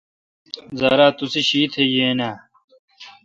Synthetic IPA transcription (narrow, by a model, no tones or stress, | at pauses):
zɐ̰ːɾaːt̪usiɕiːt̪ʰejeːnaː